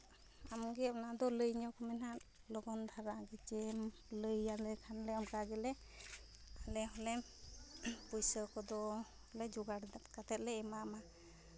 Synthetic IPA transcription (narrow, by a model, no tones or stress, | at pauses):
amɡɛnad̪ɔləjɲɔkɔmɛnaʔ | lɔɡɔnd̪ʱaɾaɡɛt͡ʃɛm | ləjalɛjkʰanlɛamkaɡɛlɛ | alɛɦɔlɛ | pujsəkɔd̪ɔhɔlɛd͡ʒuɡaɽd̪kat̪ʰɛt̪̚lɛɛmama